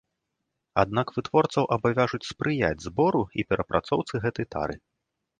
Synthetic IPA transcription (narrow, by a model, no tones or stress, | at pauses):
a̰d̪nakvɨt̪vɔrt̪sɐwʔɐbavʲaʐut͡sʲspɾʔɨja̰d͡zʲzbɔɾuipʲɛɾʔɐpɾʔat̪sɔwt̪sɨɣɛt̪ɐjt̪a̰ɾɨ